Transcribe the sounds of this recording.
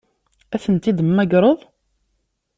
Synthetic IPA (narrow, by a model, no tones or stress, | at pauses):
æθənt̪id̪əmːæɡɾˤəðˤ